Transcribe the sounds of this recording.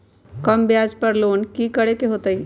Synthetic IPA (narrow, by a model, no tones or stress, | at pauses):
kɐmbjaːd͡ʒpɐɾloːnkikəɽekeɦoːt̪əi